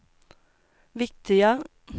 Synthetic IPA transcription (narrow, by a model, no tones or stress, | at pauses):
ʋɪk̚t̪ʰɪə